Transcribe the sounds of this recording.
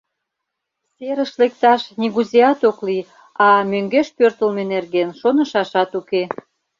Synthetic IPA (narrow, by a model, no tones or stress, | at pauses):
seɾəʃlek̚t̪ɑʃniɣuzeɑt̪okli | ɑmøŋɡeʃpørt̪əlmenerɣenʃonə̆ʃɑʃɑt̪uke